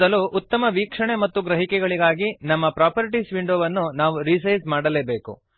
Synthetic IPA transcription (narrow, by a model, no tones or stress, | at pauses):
ɐluːʔut̪ːɐmɐʋiːkʂɐɳemɐt̪ːuɡɾɐɦikɛɡɐɭiɡaːɡinɐmːɐpɾaːpɐɾiʈisʋiɳɖoːʋɐnːunaːʋuɾiːs̬ɐjsmaːɽɐleːbe̞ːkṵ